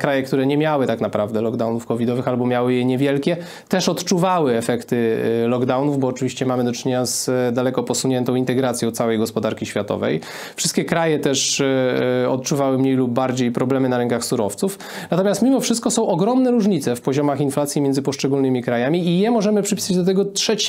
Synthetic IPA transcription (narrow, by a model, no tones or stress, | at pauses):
kɾajɛkt̪uɾɛɲɛmʲjawɘt̪aknapɾavd̪ɛlɔɡd̪awnufkɔvʲid̪ɔvɘxalbɔmʲjawɘjɛɲɛvʲjɛlkʲɛ | t̪ɛʂɔt̪t͡ʂuvawɘɛfɛkt̪ɘlɔɡd̪awnuvbɔːt͡ʂɘvʲiɕt͡ɕɛmamɘd̪ɔt͡ʂɘɲeɲazd̪alɛkɔpɔsuɲɛnt̪ɔ̃w̃int̪ɛɡɾat̪sjɔ̃t̪sawɛjɡɔspɔd̪aɾkʲiɕfʲjat̪ɔ̰vɛ̰j | fʂɘst̪kʲɛkɾajɛt̪ɛʂ | ɔ̰t̪t͡ʂuvawɘmɲejlub̚ːaɾd͡ʑejpɾɔblɛmɘnaɾɛŋkaxsuɾɔft̪suf | nat̪ɔmʲjast̪mʲimɔfʂɘst̪kɔsɔ̃w̃ʔɔɡɾɔmnɛɾuʐɲit̪sɛfpɔʑɔmaxinflat̪sʲjimʲɛnd̪zɘpɔʂt͡ʂɛɡulnɘmʲikɾajamʲiijɛmɔʐɛmɘpʂɘpʲi̥sad͡ʑd̪ɔt̪ɛɡɔtʂɛt͡ɕ